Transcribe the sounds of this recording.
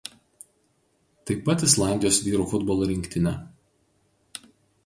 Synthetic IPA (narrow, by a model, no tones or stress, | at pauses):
t̪ɐɪpɐt̪ɪslˠɑˑnʲd̪ʲɪjoːsʋʲiːɾuːfʊd̪bɔlˠoːɾʲɪŋʲkʲt̪ʲɪnʲɛ